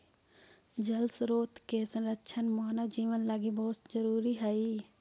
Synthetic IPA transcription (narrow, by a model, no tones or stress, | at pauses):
d͡ʒəlsɾoːt̪kesə̃nɾəkʃʰənmaːnəd͡ʒiːʋənlaɡibɔɦʊt̪d͡ʒəɾuːɾiɦɛi